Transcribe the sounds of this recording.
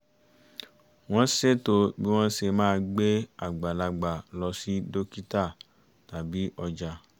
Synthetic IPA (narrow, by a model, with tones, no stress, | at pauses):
w̃ɔ̃˦se˦˨to˧bi˦w̃ɔ̃˦se˧mãː˦˧ɡ͡be˦a˦˨ɡ͡ba˨la˧ɡ͡ba˨lɔ˧si˦do˦ki˦ta˦˨ | ta˨bi˨˦ɔ˧d͡ʒa˧